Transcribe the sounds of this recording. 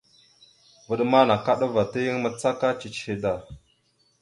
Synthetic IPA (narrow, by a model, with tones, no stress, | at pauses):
və˨ɗma˦na˨ka˦ɗə˦va˨tə˦jə˦ŋmə˦t͡sa˦ka˦t͡ʃi˨t͡ʃhi˨da˨